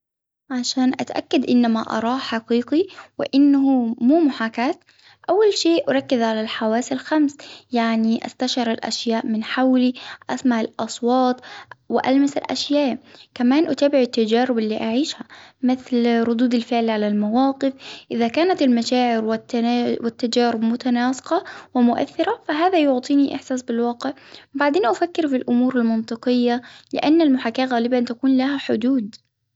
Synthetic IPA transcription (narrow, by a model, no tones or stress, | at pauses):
ʕaʃaːnʔa̰t̪ʔa̰kːad̪ʔɪnːama̰ʔɑ̰ɾˤɑːħaqiːqiwɪ̰ʔɪnːahumuːmʊħaːkaːt̪ | ʔawːalʃeːʔʔaɾˤɑkːɪzʕalalħawaːsalxamsjaʕniʔa̰st̪aʃɑɾˤalʔa̰ʃjaːʔmɪnħawliʔasmaʕɪlʔɑsˤwɑːt̪ˤwɪʔa̰lmasɪlʔa̰ʃjaːʔkamaːnʔʊt̪aːbɪʕɪt̪ːad͡ʒaːɾɪbɪlːiːʔaʕiːʃhamɪθlɾˤʊd̪uːd̪alfɪʕlʕalalmawɑːqɪfʔɪðakaːnat̪ɪlmaʃaːʕɪɾwwɪt̪ːad͡ʒaːɾɪbmʊt̪anaːsɪ̥qɑwɪmʊʔa̰θːɪɾafaɦaːðajʊʕt̪ˤiːniʔɪ̰ħsaːsbɪlwɑːqɪʕbaʕd̪eːnʔafakːɪɾfilʔʊmuːɾalmɑnt̪ˤɨqɨjːalɪ̰ʔanːalmʊħakːaːɣaːlɪbant̪akuːnlahaħʊd̪uːd̪